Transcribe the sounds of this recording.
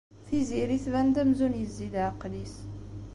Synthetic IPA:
θiziɾiθðænd̪æmzunjəzːid̪ʕəqːd̪is

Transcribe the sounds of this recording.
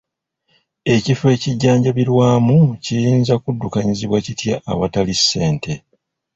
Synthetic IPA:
e̞cife̞ːciɟːaːɲɟaβiɾwaːmucijiːnzakudːukaɲiziβwacitjaʔːβatalisːe̞ːnte̞

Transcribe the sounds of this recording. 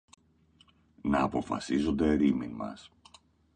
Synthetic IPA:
nɐːpo̞fɐ̰sizo̞nd̪e̞ɾiminmɐ̰s

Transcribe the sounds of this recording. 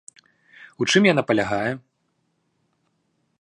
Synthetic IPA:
ut͡ʂɨmjanapɐlʲaɣajɛ

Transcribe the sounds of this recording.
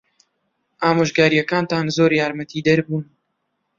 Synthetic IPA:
ʔaːmoːʒɡaːɾijɛkaːnt̪aːnzoːɾjaːɾmɐt̪ʰiːd̪ɐɾbuːn

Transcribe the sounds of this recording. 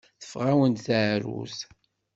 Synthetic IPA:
θə̥fʁawənt̪θaʕɾṵs

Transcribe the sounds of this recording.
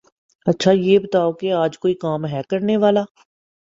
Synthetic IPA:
ɐtːʃʰajeːbɐt̪aːokeaːd͡ʒkoːikaːmɦɛːkɐɾneʋaːlaː

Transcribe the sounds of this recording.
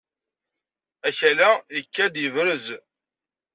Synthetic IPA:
æçælæjəkːæd̪jəvɾəz

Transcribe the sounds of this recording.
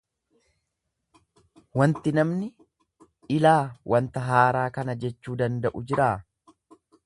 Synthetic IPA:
wɐnt̪ɪnɐmnɪ | ɪlaːwʔɐnt̪ɐɦaːɾaːkɐnɐd͡ʒɛt͡ʃːuːd̪ɐnd̪ɐʔʊd͡ʒɪɾaː

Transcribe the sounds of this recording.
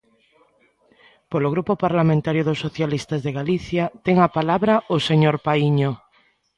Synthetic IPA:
poloɣ̞ɾupopaɾlamẽnt̪aɾjoðosːoθjalist̪azðeɣaliθjat̪eŋapalaβɾaʔoseɲoɾpaiɲo

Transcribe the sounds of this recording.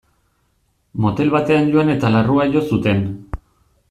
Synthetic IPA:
mo̞t̪e̞lβat̪e̞anɟoane̞t̪alaruaʝo̞sut̪e̞n

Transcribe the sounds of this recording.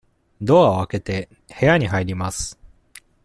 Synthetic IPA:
d̪o̞aβake̞t̪e̞ | he̞jaɲ̟iɦaiɾʲimasɨ̥

